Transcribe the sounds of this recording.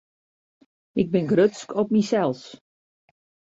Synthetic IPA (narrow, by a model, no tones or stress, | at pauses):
ɪɡ̚bɪnɡrøtskʰɔp̚misɛlˠs